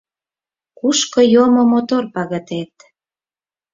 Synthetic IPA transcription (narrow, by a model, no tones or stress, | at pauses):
kuʃkojomomot̪orpɑɣə̆t̪et̪